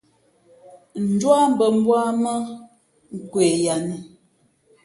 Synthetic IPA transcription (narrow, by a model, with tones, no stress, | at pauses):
n̩˨dwa˦m̩˦˨bə˨m̩˦bwa˦mə˦ | ŋ̩˨kwe˨ja˨nə˨